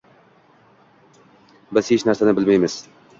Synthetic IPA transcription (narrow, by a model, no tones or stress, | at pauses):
bɪzhet͡ʃnæɾsanɪbɪlmajmɪz̥